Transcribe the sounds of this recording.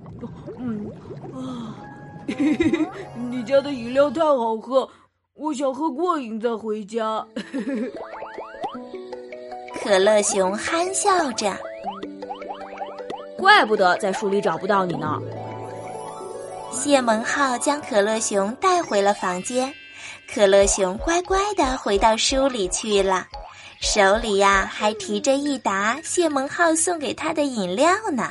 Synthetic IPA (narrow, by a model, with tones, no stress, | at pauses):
n̩˥˩˧ | ni˨˩t͡ɕja˥d̪ə˨i˨˩ŋljɑ˥˧ʊt̪ʰa˥˩ɪxɑ˨˩ʊxɤ˥ | wɔ˧˥ɕ̬jɑ˨˩ŋxɤ˧˥k̬wɔ˥˩i˨˧˥ŋt͡sa˥˩ɪxwe˧˥ɪt͡ɕja˥ | kʰɤ˨˩lɤ˥˩ɕjʊ˧˥ŋxa˥nɕjɑ˥˩ʊʈ͡ʂə̰˨˩ | kwa˥˧ɪpu˥˩d̪ə˩t͡sa˥˧ɪʂu˥li˧˥ʈ͡ʂɑ˨˩ʊpu˧˥t̪ɑ˥˩ʊnḭ˨˩nə̰˦ | ɕjɛ˥˩mɤ˧˥ŋxɑ˥˧ʊt͡ɕjɑ˥ŋkʰɤ˨˩lɤ˥˩ɕjʊ˧˥ŋt̪a˥˩ɪxwe˧˥ɪlə˧fɑ˧˥ŋt͡ɕjɛ˥n | kʰɤ˨˩lɤ˥˩ɕjʊ˧˥ŋkwa˥ɪkwa˥ɪd̪ə˨xwe˧˥ɪt̪ɑ˥˧ʊʂu˥ʊli˨˩t͡ɕʰy˥˩lə˩ | ʂo˧˥ʊli˨˩a˧xa˧˥ɪt̪ʰi˧˥ʈ͡ʂə˧i˥˩t̪a˧˥ɕjɛ˥˩mɤ˧˥ŋxɑ˥˧ʊsʊ˥˩ŋke˨˩ɪt̪ʰa˥d̪ə˨i˨˩nljɑ˥˩ʊnə˩